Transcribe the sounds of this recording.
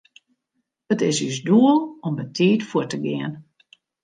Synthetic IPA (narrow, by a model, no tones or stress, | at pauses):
ətɪsysduəlˠɔmbətʰiːtfuətəɡɪən